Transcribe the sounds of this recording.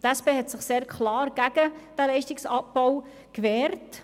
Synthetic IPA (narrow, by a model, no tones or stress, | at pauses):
tæspeːɦɛtsɪχseːɾkχlɑːrɡ̥æɡ̥əd̥ælɛɪʃtɪksɑp̚bɔw | kʋɛːɾt